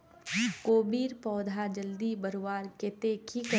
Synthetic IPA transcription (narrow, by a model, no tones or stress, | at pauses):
koːbiːɾpɔːd̪ʱad͡ʒəld̪ibəɾwaːɾket̪eːkʰikə